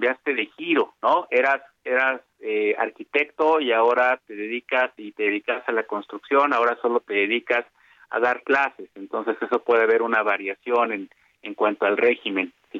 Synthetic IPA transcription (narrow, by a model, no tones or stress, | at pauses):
bjast̪e̞ðe̞xiɾo̞no̞e̞ɾas | e̞ɾas | ea̰ɾkit̪e̞kt̪o̞iaoɾat̪e̞ðe̞ðikasit̪eðeðikasalako̞nst̪ɾuksjo̞nao̞ɾaso̞lo̞t̪e̞ðeðikas | a̰ðaɾklase̞se̞nt̪o̞nse̞se̞so̞pwe̞ðe̞aβe̞ɾunaβaɾjasjo̞nen | eŋkwant̪oalre̞xime̞nsi